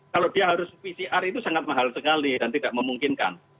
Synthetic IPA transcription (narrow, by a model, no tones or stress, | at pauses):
kalodiaɦaɾʊspisiʔarit̪usaŋat̪̚maɦalsəkalid̥ant̪idaʔməmuŋkɪnka̰n